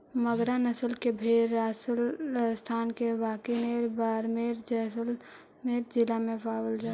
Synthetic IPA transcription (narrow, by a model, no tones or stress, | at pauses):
məɡɾanəsəlkebʱeːɾaːsəlst̪ʰaːnkebaːkineːɾbaːɾmeːɾd͡ʒɛsəl | meːɾd͡ʒɪlamẽpaːwəld͡ʒaː